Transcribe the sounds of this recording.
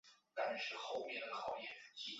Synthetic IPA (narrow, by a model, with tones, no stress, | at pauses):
t̪a˥nʂɻ̩˥˩xo˥˧ʊmjɛ˥˩d̪ə˩lɑ˧˥ʊjɛ˨˩n˩t͡ɕi˧˥